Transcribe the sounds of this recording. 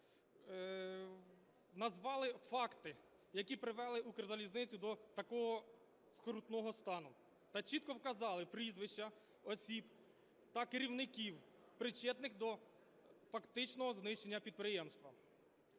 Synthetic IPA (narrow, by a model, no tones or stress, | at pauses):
nɐzʋɑlˠɪfɑkt̪ɪ | jɐkʲipɾɪʋɛlˠɪukrzɐlʲiznɪt͡sʲʊd̪ɔt̪ɐkɔɦɔ | skɾut̪nɔɦɔst̪ɑnʊ | t̪ɐt͡ʃit̪kɔwkɐzɑlˠɪpɾizʋɪʃt͡ʃɐ | ɔsʲib | t̪ɐkɪɾʲiwnɪkʲiw | pɾɪt͡ʃɛt̪nɪxd̪ɔ | fɐkt̪ɪt͡ʃnɔɦɔznɪʃt͡ʃenʲːɐpʲid̪̚pɾɪjɛmst̪ʋɐ